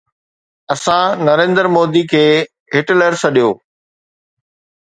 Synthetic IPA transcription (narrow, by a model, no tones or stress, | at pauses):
ɐsãnɐɾẽːnd̪əɾmoːd̪ikʰeː | ɦɪʈləɾsɐɗijoː